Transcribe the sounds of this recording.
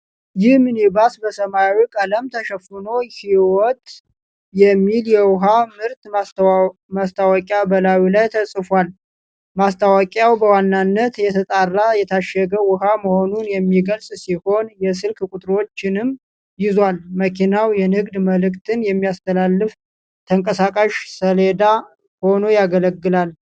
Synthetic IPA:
jɪhmɨnibasbəsəmawikʼələmt̪ʰəʃəfɨno̞hiwɔt̪ʼ | jɛmːiljɛwʊɦamɨɾt̪ | mast̪ʰawəkʼjabəlawilajt̪ʰəsʼɨfwal | mast̪ʰawakʼjawbəwanːanːət̪jɛt̪ʰət̪ʼarːajɛt̪ʰaʃɛɡəwʊɦaməho̞nunjɛmːiɡəlsʼsiho̞njɛs̬ɨlkkʼut̪ʼɾo̞t͡ʃːɪnɨm | jɪzwalməkʰinawjɛnɨɡd̪məlɨkt̪ʰɨnjɛmːijast̪ʰəlalːɨf | t̪ʰəŋkʼəsakʼaʃsəled̪a | ho̞no̞jaɡələɡːɨlal

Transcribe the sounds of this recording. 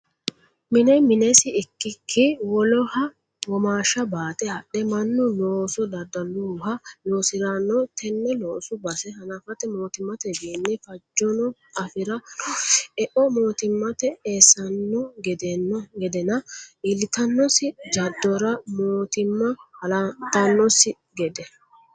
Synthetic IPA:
mɪnɛmɪnɛsɪɪkːɪkʰːɪwɔlɔhɐ | wɔmaːʃɐbaːt̪ɛɐɗɛmɐnːʊloːsɔd̪ɐd̪ːɐluːhɐjoːsɪɾanːɔt̪ʰɛnːɛloːsʊbɐsɛhɐnɐfɐt̪ɛmo̞ːt̪ɪmːɐt̪ɛbiːnːɛfɐd͡ʒːɔnɔɐfɪɾɐ | ɛʔɔmo̞ːt̪ɪmːɐt̪ɛeːsːɐnːɔɡɛd̪ɛnːɔɡɛd̪ɛnɐʔɪlɪt̪ɐnːɔsɪd͡ʒɐd̪ːɔɾɐmoːt̪ɪmːɐlɐt̪ɐnːɔsɪ | ɡɛd̪ɛ

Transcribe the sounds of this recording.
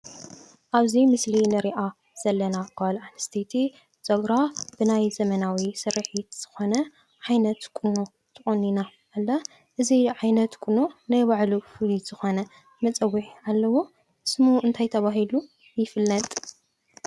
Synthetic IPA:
ʔaβzimɨslinɨɾiʔa | z̥ɐlːɐnakʰalanɨst̪ʰet̪ʰi | t͡sʼɐɡɾabɨnajzɐmɐnawisɨɾɨħit̪z̥ɨxo̞nɐ | ʕajnɐt̪kʼɨno | t̪ʰɨχʼɐnːinaʔːlːɐ | ʔɨziʕajnɐt̪kʼunonajβaʕlufɨliz̥ɨxo̞nɐ | mɐt͡sʼɐwːiħalːɐwu | sɨmuʔɨnt̪ʰajt̪ʰɐβaɦilu | jɪfɨlːɐt̪ʼ

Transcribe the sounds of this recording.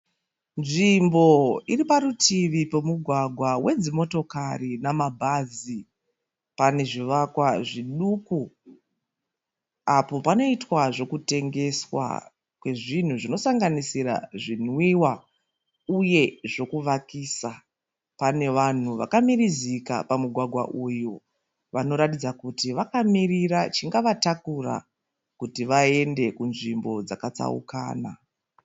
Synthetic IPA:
nʐimbo̞iripaɾutiʋipo̞muɡʱwaɡʱwawe̞d͡zimo̞to̞karinamabʱaːzi | pane̞ʐiʋakwaʐiɗuku | apo̞pano̞itwaʐo̞kute̞ŋɡe̞swa̰ | kwe̞ʐin̤uʐino̞saŋɡanisiɾa̰ʐin̤wiwa | uje̞ʐo̞kuʋakiːsa | pane̞ʋan̤uʋa̰kamiɾizika̰pamuɡʱwaɡʱwa̰ʔuju | ʋano̞ɾatid͡zakutiʋakamirirat͡ʃiŋɡaʋatakura̰ | kutiʋae̞nde̞kunʐimbo̞d͡zakat͡sa̰ṵka̰ːna

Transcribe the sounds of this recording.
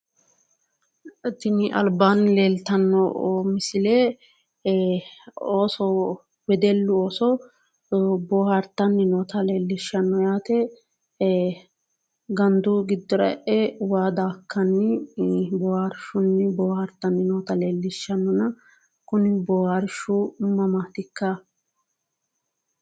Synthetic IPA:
t̪ɪnɪʔɐ̰lbaːnle̞ːlt̪ɐnːɔmɪsɪleː | oːsɔ | wɛd̪ɛlːʊoːsɔ | boːhɐɾt̪ːɐnːɪnɔːt̪ɐle̞ːlːɪʃːɐnːɔjaːt̪ɛ | ɡɐnd̪uɡɪd̪ːɔɾɐ̰ʔɛwaːd̪aːkʰːɐnːɪbɔhaɾʃʊnːɪbɔːhɐɾt̪ːɐnːɪnoːt̪ɐleːlːɪʃːɐnːɔnɐ | kʊnɪbɔhaɾʃʊmɐmaːt̪ɪkːɐ

